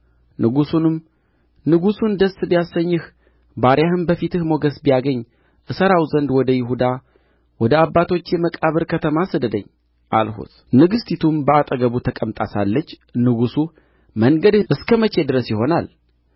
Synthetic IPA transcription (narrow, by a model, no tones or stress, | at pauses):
nɨɡusunɨm | nɨɡusund̪əsbijasːəɲːɨh | baɾjahɨnbəfit̪ɨhmo̞ɡəsbijaɡəɲː | ʔɨsəɾawzənd̪wɔd̪əjɪɦud̪a | wɔd̪əabːat̪ʰo̞t͡ʃːjɛməkʼaβɨɾkʰət̪ʰəmasɨd̪əd̪ə̰ɲː | ʔa̰lɦṵt̪ | nɨɡɨst̪ʰit̪ʰumbəat̪ʼəɡəβut̪ʰəkʼəmt̪ʼasa̰lːət͡ʃː | nɨɡusu | məŋɡəd̪ɨskʰəmət͡ʃe̞d̪ɨɾəsjɪho̞nal